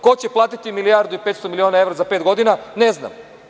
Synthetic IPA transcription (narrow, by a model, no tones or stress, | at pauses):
ko̞t͡ɕe̞plˠaːt̪it̪imilijaːɾd̪uipet̪st̪omilio̞ːnae̞ʋɾazape̞ːt̪ɡo̞d̪inanezna̰m